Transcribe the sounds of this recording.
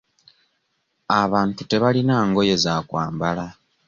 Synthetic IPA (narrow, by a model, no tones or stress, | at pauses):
aβaːntute̞βalinaːŋɡo̞je̞zakwaːmbala